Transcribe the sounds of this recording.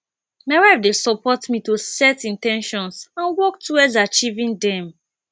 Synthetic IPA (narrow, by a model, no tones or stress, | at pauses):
mɛɹɛbdesɔpɔtmitosɛtĩntɛ̃nʃɔ̃nsãnwɔk̚tʰuɛzat͡ʃivĩndɛ̃m